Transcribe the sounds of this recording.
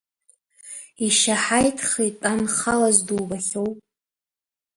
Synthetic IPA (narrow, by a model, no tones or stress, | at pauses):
iʃaħajtʰχitʼanχalazduwbaχʲowpʼ